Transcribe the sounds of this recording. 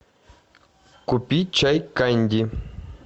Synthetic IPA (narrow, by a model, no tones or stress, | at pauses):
kʊpit͡ʃajkandʲɪ